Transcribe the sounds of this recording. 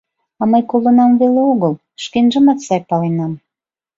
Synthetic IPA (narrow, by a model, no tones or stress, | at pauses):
ɑməjkolŏnɑmβeleoɣəlˠ | ʃkenʒə̆mɑt̪sɑjpɑlenɑm